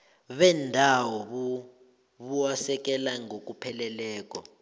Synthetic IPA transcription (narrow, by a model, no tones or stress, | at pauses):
βɛndʱawɔβu | βuasɛk̬ʼɛlaŋʱok̬ʼupʰɛlɛlɛːk̬ʼɔ̰